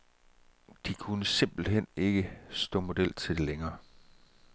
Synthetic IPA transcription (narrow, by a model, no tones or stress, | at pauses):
d̥ikʰunəse̝m̰b̥l̩ɦen̰e̝ɡ̥əsd̥ɔ̰ːmo̝d̥el̰t͡sʰe̝d̥e̝leŋɐː